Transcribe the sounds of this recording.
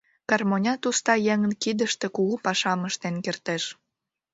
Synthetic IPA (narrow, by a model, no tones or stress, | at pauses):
kɑrmonʲɑt̪ust̪ɑjeŋənkid̪əʃt̪e̽kuɣupɑʃɑməʃt̪enkert̪eʃ